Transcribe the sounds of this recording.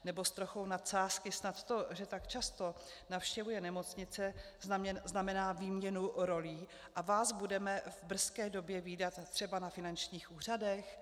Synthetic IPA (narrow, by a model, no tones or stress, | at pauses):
nɛbo̞st̪ɾoxownat̪saːskɪsnat̪ːo̞ʒɛt̪akt͡ʃast̪o̞ | nafʃcɛvujɛnɛmo̞t͡sɲɪt͡sɛ | zznamɛnaːviːmɲɛnuɾo̞liː | ʔavaːzbudɛmɛvbr̩skɛːdo̞bjɛviːdat̪ːr̝̥ɛbanafɪnant͡ʃɲiːxʔuːr̝adɛx